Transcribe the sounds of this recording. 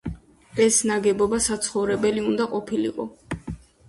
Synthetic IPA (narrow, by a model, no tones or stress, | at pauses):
ɛsnaɡɛbɔbasat̪sʰχɔvɾɛbɛliund̪aqʼɔpʰilḭqʼɔ